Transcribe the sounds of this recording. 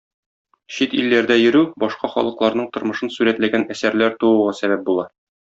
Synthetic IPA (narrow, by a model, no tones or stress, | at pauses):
ɕit̪ilːæɾd̪æjɘ̆ɾʉbɒʃqɑχɒ̰lˠɤ̆qlˠɑɾnɤɴt̪ŏɾmɤ̆ʃɤnsʉɾæt̪læɡænæsæɾlæɾt̪uwɤ̆ʁɑsæbæp̚bulˠɑ